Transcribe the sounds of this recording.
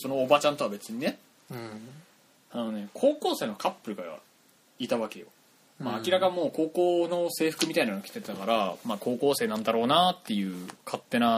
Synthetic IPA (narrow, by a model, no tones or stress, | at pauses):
so̞no̞ːbat͡ɕãnt̪o̞abe̞t͡sɨɲ̟ine̞ | anone̞kʰo̞ːko̞ːse̞ːnokʰapːɯ̟ɾɯ̟ɡaa̰ | it̪aβ̞ake̞jo | maːkʲiɾakamːo̞ːkoːko̞ːno̞se̞ːɸɯ̟̥kɯ̟mʲit̪ainanoakʲi̥t̪e̞t̪akaɾamaːko̞ːko̞ːse̞ːnãnd̪aɾo̞ːnat̪ːe̞jɯ̟ːkʰat̪ːe̞na